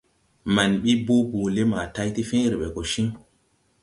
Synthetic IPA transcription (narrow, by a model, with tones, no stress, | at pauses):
ma˨nɓi˦bo˦bo˨le˦ma˨ta˦jti˦fĩ˦ɾe˨ɓe˨ko˨ʃĩ˦ŋ